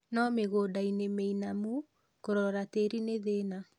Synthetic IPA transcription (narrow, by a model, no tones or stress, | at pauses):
nɔmeɣodainemeinamu | koɾɔɾateɾineðena